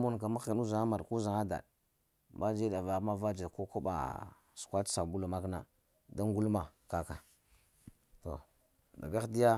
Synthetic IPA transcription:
mu˦nka˨ma˦xi˨nu˦za˨ŋa˦ma˨ɾku˦za˨ŋa˦da̰˨ɗ | ma˦d͡ʒe˦da˨va˨˦ma˦va˦d͡ʒa˨ko˦ko˦ba̰˨ | su̥˨kʷḁ˦sa˨bu˦la˨ma˦kna̰˦ | da˦ŋ˦ɡu˦lma˨ka˦ka˨ | to̰˨ | da̰˨ɡa˦di˦ja˦

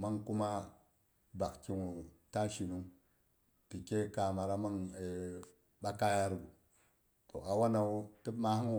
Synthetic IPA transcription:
ma˦ŋku˦ma˦ | ba˨kki˦ŋu˨ta˦ʃi˨nu˦ŋ | ti˨ke˦ka˨ma˨ɾa˦ma˦ŋe˨ | ɓa˦ka˦ja˦ɾɡu˨ | to̰˨ʔa˨wa˦na˨wu˦ti˦bma˦hi˦ŋ˨

